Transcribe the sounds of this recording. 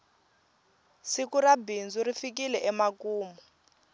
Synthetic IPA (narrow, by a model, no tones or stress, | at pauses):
sikurabind͡zurifikilɛʔɛmakuːmɔ